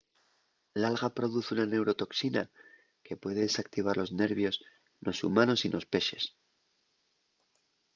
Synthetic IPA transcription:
lalɣapɾo̞ðuθunane̞wɾo̞t̪o̞ksina | ke̞pwe̞ðe̞ðesakt̪iβ̞aɾlo̞zne̞ɾβjo̞s | nʔo̞sṵmano̞sinʔo̞spe̞ʃe̞s

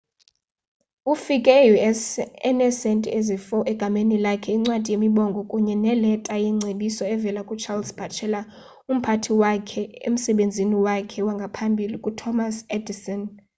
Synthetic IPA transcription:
ufikʼɛjuɛnɛsɛntʼiezifɔʔɛɡ̥ʱamenilakʰɛiŋ͡ǀwad̥ʱijemiɓɔŋɡʱɔkʼuɲɛnɛlɛtʼajiŋ͡ǀʱeɗisɔɛvɛlakʼut͡ʃʰalsb̥ʱat͡ʃʰɛla | um̩pʰatʰiwakʰɛḛm̩sɛɓend͡zʱiniwakʰɛwaŋɡʱapʰambʱilikʼutʰɔmasɛdisɔn

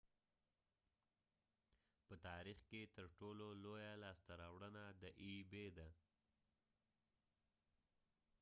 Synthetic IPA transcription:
pət̪ɑɾixket̪əɾʈololojalɑst̪aɾɑwɽənad̪əʔibed̪a

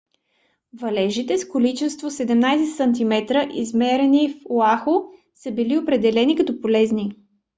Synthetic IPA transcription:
vɐlɛʒit̪ɛskolit͡ʃɛst̪vosɛd̪ɛmnajsɛsənt̪̬imɛt̪ɾəʔizmɛɾɛnifoaxo | səbiliopɾɛd̪ɛlɛnikɐt̪ɔpolɛzni

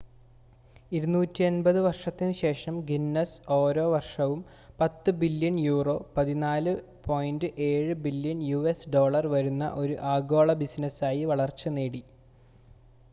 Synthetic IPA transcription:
iɾunuːtːienbɐðɨʋɐrʂɐt̪ːinɨɕe̞ːʂɐmɡinːɐso̞ːɾo̞ːʋɐrʂɐʋum | pɐt̪ːɨbiljɐnjuːro̞ːpɐðinaːlɨ | pʰo̞ːjndɨʔe̞ːɻɨbiljɐnjuesɖo̞ːɭɐrʋɐɾunːɐ̰ʔo̞ɾuʔaːɡo̞ːɭɐbisnɐsaːjiʋɐɭɐrt͡ɕːɨneːɽi

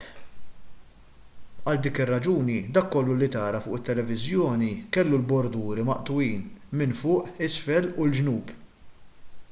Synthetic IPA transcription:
ɐld̪iːkɪrːɐd͡ʒuːnid̪ɐkːɔlːulit̪ɐːɾɐfʊːʔɪt̪ːɛlɛvɪzjɔːnikɛlːulbɔɾd̪uːɾimɐʔt̪ʊwiːnmɪnfʊːʔɪsfɛlʊld͡ʒnuːb

